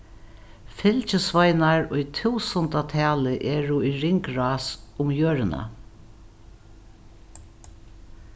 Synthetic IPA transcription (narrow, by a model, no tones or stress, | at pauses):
fɪlt͡ʃəsvajnaɹʊjt̪ʰuːsɔnt̪at̪ʰɛːlɪʔɛɹʊiɹɪŋkɹaːsʊmjøːɹɪna̰